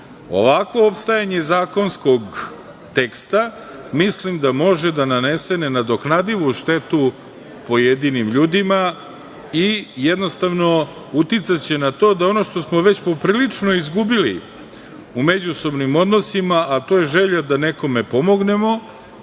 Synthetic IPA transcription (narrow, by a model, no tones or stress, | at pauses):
o̞̰ʋakʋo̞opst̪ajaɲe̞zaːko̞nsko̞ɡ | t̪e̞kst̪a | mislimd̪amo̞ʒed̪anane̞senenad̪o̞knad̪iʋuʃt̪e̞t̪u | po̞jed̪inimʎuːd̪ima | ijed̪no̞st̪aʋno̞ | ut̪it̪sat͡ɕe̞nat̪od̪ao̞no̞ʃt̪o̞smo̞ʋe̞t͡ɕpo̞pɾiːlit͡ʂno̞izɡubilḭ | ume̞d͡ʑuso̞bnimo̞d̪nosimaʔat̪o̞je̞ʒe̞ʎad̪ane̞ko̞mepo̞moɡne̞mo̞